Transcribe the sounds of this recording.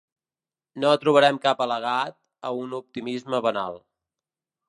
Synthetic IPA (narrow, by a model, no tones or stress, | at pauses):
noət̪ɾuβ̞əɾɛmkapələɣat̪̚ | əunup̚t̪imizməβəna̰lˠ